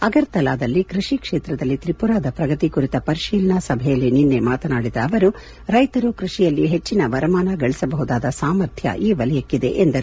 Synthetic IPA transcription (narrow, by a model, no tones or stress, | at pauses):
ɐɡɐɾt̪ɐlaːd̪ɐlːikɾiʂikʂeːt̪ɾɐd̪ɐlːit̪ɾipuɾaːd̪ɐpɾɐɡɐt̪ikuɾit̪ɐpɐɾiʃiːlnɐsɐbʱɛjɐlːininːe̞maːt̪ɐnaːɽid̪ɐːʋɐɾu | ɾɐjt̪ɐɾukɾuʂijɐlːiɦe̞t͡ʃːinɐʋɐɾɐmaːnɐɡɐɭisɐbɐɦud̪aːd̪ɐsaːmɐɾt̪ʰjɐ̰ʔiːʋɐlɛjɐkːid̪e̞̰ʔend̪ɐɾ